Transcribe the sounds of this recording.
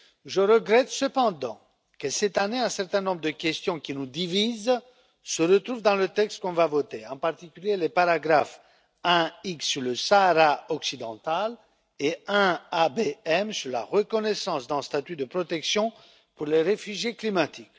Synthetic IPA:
ʒəʁəɡʁɛt̪səpɑ̃d̪ɑ̰̃ | kəsɛt̪aneɛ̃sɛʁt̪ɛ̃nɔ̃bʁəd̪əkʲɛst̪jɔ̃kʲinud̪iviz | səʁət̪χuvd̪ɑ̃lət̪ɛkst̪̚kɔ̃vavɔt̪eɑ̃paʁt̪ikʲyljelepaʁaɡʁaf | ɛ̃iksːyʁləsaːʁaɔksid̪ɑ̃t̪al | eɛ̃abeɛmsyʁla̰ʁəkɔnɛsɑ̃sd̪ɛ̃st̪at̪yd̪əpχɔt̪ɛksjɔ̃ | puʁleʁefyʒjeklimat̪ik

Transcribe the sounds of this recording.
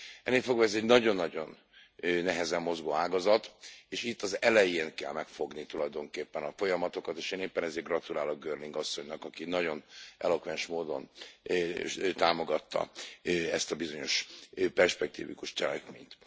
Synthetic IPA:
ɛnːeːfo̞ɡʋɒɛzɛɟnɒɟo̞nːɒɟo̞n | nɛɦɛzɛmːo̞zɡoːaːɡɒzɒt̪eːʃit̪ːɒzɛlɛjeːnkɛ̰lmɛkfo̞ɡnit̪ulɒjd̪o̞ŋkeːpːɛnɒfo̞jɒmɒt̪o̞kɒt̪eːʃeːneːpːɛnɛzeːrɡrɒt̪ulaːloɡ̚ɡøːrliŋɡɒsːo̞ɲnɒkɒkinɒɟo̞nʔɛ̰lo̞kʋɛnʃmoːd̪o̞̰n | t̪aːmo̞ɡɒt̪ːɒ̰ɛst̪ɒbizo̞ɲo̞ʃpɛrʃpɛk̚t̪ḭːvḭkuʃt͡ʃɛlɛkmḛːɲt̪

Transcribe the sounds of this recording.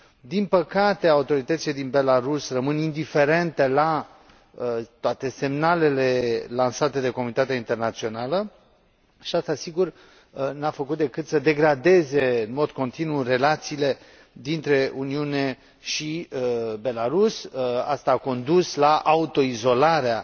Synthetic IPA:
d̪inpəkat̪e̞aut̪o̞ɾit̪ət̪sile̞d̪inbe̞laɾusrəmɨnind̪ife̞ɾe̞nt̪e̞la | t̪oat̪e̞se̞mnale̞le̞lansat̪e̞d̪e̞komunit̪at̪eaint̪e̞rnat̪sio̞nalə | ʃiast̪asiɡur | nafəkut̪̚d̪e̞kɨt̪səd̪e̞ɡɾad̪e̞ze̞ɨnmo̞d̪ko̞nt̪inure̞lat̪siːle̞ | d̪int̪ɾe̞uniune̞ | ʃibe̞laɾusa̰st̪aːko̞nd̪uslaʔaut̪o̞izo̞laɾea

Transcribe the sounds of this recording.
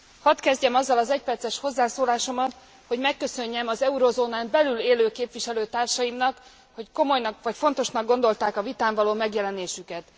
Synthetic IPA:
hɒt̪kɛzɟɛmɒzːɒlɒzɛc̚pɛrt̪sɛʃho̞zːaːsoːlaːʃo̞mɒt̪ | ho̞ɟmɛkːø̞sø̞ɲːɛmɒzɛuɾozoːnaːmbɛlyleːløːkeːpviʃɛløːt̪aːrʃɒjimnɒk | ho̞cko̞mo̞jnɒkʋɒcfo̞nt̪o̞ʃnɒɡ̚ɡo̞n̪d̪o̞lt̪aːkɒvit̪aːɱvɒloːmɛɡjɛlɛneːʃykɛt̪

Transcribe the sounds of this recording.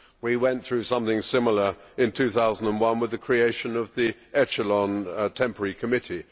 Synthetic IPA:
wiwɛ̃nθɹʉsʌ̃mθɪ̃ŋsɪ̃ml̩ˠə˞ɪ̃ntʰʉθaʊzn̩də̃nwʌ̃nwɨðɨkʰɹ̥ieɪʃɨ̃nəvðiʔɛt͡ʃələ̃ntʰɛ̃mpə˞ikʰəmɪɾi

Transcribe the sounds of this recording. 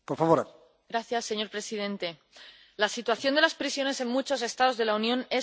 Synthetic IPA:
poɾfaβoɾ | ɡɾaθjasːe̞ɲo̞ɾpɾe̞sið̞e̞nt̪e̞ | lasit̪waθjo̞nd̪elaspɾisjo̞ne̞se̞nmut͡ʃo̞se̞st̪að̞o̞zðe̞launjõ̞ne̞

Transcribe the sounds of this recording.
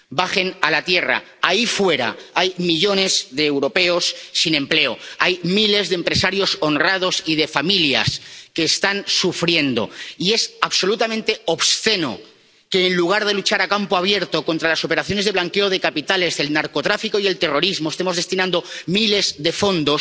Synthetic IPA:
baxe̞nalat̪je̞ra̰ | aifwe̞ɾa̰ajmiʎo̞ne̞zðeːwɾo̞pe̞osːinẽ̞mple̞o̰ajmile̞zðeːmpɾe̞saɾjo̞so̞nrað̞o̞sið̞e̞familja̰ske̞ːst̪ansufɾje̞nd̪o̞̰ie̞saβso̞lut̪amẽnt̪e̞oβsθe̞no̰ | ke̞ːnluɣ̞aɾð̞e̞lut͡ʃaɾakampoaβ̞je̞ɾt̪o̞ko̞nt̪ɾalaso̞pe̞ɾaθjo̞ne̞zð̞elaŋkeoð̞e̞kapit̪ale̞zðe̞lnaɾko̞t̪ɾafikoie̞lt̪e̞ro̞ɾizmoest̪e̞mo̞zðe̞st̪inãnd̪o̞mile̞zðe̞fo̞nd̪o̞s

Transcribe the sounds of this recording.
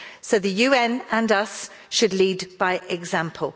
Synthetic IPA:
soʊðəjʉːɛ̃nə̃nʌs | ʃədˡliːdb̥aɪʔɪɡzãmpʰəlˠ

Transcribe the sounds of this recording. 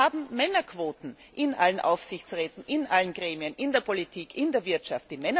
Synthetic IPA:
aːbm̩mɛnɐkv̥oːtn̩ʔɪnʔalənʔa̰ʊfsɪçt͡sʁɛːtn̩ʔɪnʔalənɡʁeːmiənʔɪndeːɐpʰolitʰiːkʰɪndeːɐvɪɐtʃaft̚d̥imɛnɐ

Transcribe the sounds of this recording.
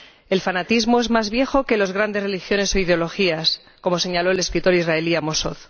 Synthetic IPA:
e̞lfanat̪izmo̞e̞zmazβje̞xo̞ke̞lo̞zɣ̞ɾand̪e̞zre̞lixjo̞ne̞so̞ið̞eo̞lo̞xias | ko̞mo̞se̞ɲalo̞ele̞skɾit̪o̞ɾizrae̞liamo̞so̞θ

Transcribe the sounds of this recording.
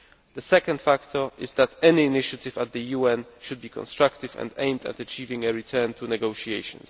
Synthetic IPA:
ðəsɛkə̃ndfakt̪ʰɔ˞ɪzðæt̪ɛniːnɪʃat̪ɪvat̪̚ðəjuɛ̃nʃud̪̚bikʰɔ̰̃nst̪ɹakt̪ɪvɛ̰̃ndẽɪ̃md̪æ̰t̪ət͡ʃivɪ̃ŋəɹitʰɛ˞nt̪ʰunɛɡoʊʃiejʃɔ̰̃ns

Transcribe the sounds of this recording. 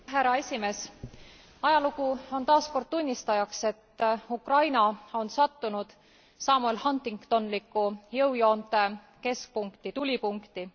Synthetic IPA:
ɦæɾɑe̞sʲime̞ːs | ɑjɑlukuo̞nt̪ɑːsko̞rd̪̥̚t̪unʲːist̪ɑjɑkse̞t̪ːukrɑjnɑo̞nsɑt̪ːunud̪̥ | sɑːmuelhɑnt̪ːiŋkt̪o̞nlikːˑujɤwjo̞ːnt̪e̞ | ke̞sk̚puŋkt̪it̪ulʲipuŋkt̪i

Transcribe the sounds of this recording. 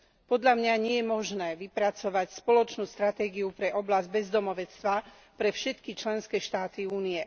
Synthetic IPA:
pɔd̪ʎamɲaɲɪɛjɛmɔʒnɛːʋipɾat͡sɔʋacspɔlɔt͡ʃnuːst̪ɾat̪ɛːɡiupɾɛʔɔblazɟ̚bɛzd̪ɔmɔʋɛt͡st̪ʋa | pɾɛfʃɛt̪kit͡ʃlɛnskɛːʃt̪aːt̪iuːnijɛ

